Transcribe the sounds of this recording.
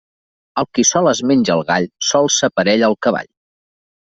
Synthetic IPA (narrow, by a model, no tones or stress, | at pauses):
əlˠkisɔləzmenʲd͡ʒəlˠɣaʎsɔlˠsəpəɾɛʎəlˠkəβa̰ʎ